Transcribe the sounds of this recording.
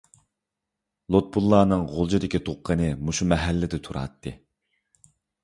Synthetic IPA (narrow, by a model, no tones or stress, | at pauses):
lˠot̪̚bulˠːɑːnɨŋʁolˠd͡ʒid̪ɪkʲit̪ʰoqʰːənɨmuʃumɛɦɛlːɪd̪ɪt̪ʰuɾɑ̰t̪ʰːɨ